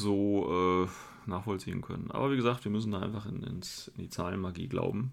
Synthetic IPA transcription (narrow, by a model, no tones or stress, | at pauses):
zoːʔɛː | naːχfɔlt͡siːənkʰœ̰nə̰nʔa̰ːbɐviːɡəzaːk̚tv̥iːɐmʏs̬n̩daːʔaɪnfaχɪnɪ̰nsɪndiːt͡saːlənmaɡḭːɡla̰ʊbm̩